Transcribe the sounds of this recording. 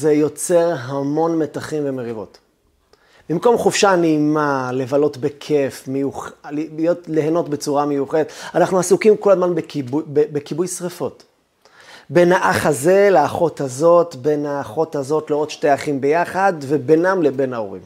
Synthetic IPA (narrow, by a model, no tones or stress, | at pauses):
ze̞jo̞t͡se̞ʁɦamo̞nme̞taχimve̞meʁivo̞̰t | bimko̞mχufʃaneimale̞valo̞tbe̞kʰe̞fmejuχljo̞tleheno̞tbe̞t͡suʁamejuχedet̪anaχnuasukimko̞lazmanbekebekibujsʁefo̞t | be̞naʔaχaze̞leːχo̞thazo̞tbe̞naːχo̞thazo̞tleo̞d̪ʃtejaχimbe̞jaχadve̞be̞namlebe̞nao̰ʁḭm